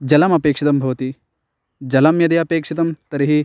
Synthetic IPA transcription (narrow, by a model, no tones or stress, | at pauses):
d͡ʒɐlɐmɐpeːkʂit̪ɐmbʱɐʋɐt̪i | d͡ʒɐlɐmjɐd̪iɐpeːkʂit̪ɐmt̪ɐɾiɦi